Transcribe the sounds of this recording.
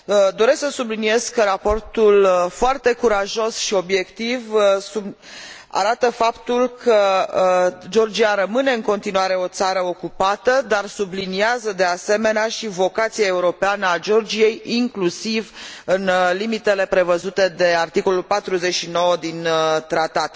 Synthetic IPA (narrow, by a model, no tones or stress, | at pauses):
d̪o̞ɾe̞sksəsublinije̞skəɾapo̞rt̪ulfoart̪e̞kuɾaʒo̞sʃio̞bje̞kt̪ivsu | a̰ɾat̪əfapt̪ulkʰə | d͡ʒo̞rd͡ʒiaɾəmɨne̞ɨŋko̞n̪t̪inuaɾe̞o̞t̪saɾəo̞kupat̪əd̪arsubliniazəd̪e̞ase̞me̞neaʃivo̞kat̪siae̞uɾo̞peanəad͡ʒo̞rd͡ʒije̞jiŋklusivɨnlimit̪e̞le̞pɾe̞vəzut̪e̞d̪e̞art̪iko̞lulpat̪ɾuze̞t͡ʃʃino̞wəd̪int̪ɾat̪at̪